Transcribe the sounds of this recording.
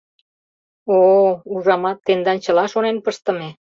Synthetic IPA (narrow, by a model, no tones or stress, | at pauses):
ouʒɑmɑt̪ːend̪ɑnt͡ɕə̆lɑʃonenpəʃt̪ə̆me